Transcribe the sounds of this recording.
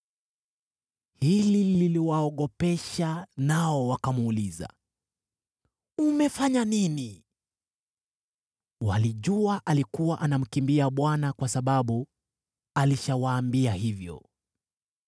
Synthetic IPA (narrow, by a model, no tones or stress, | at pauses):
hilililiwaɔɠɔpɛʃanaɔwakamːliza̰ | umɛfaɲanini | wa̰liʄuaʔalikuwaʔanam̩kimbiaɓwanakwasaɓaɓu | aliʃawaːmbiahivjɔ̰